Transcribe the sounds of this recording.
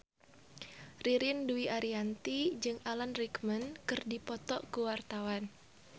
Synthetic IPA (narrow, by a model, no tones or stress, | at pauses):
riɾinduiʔaɾiant̪id͡ʒɨŋalanrikmənkɨrdipɔt̪ɔʔkuwart̪awan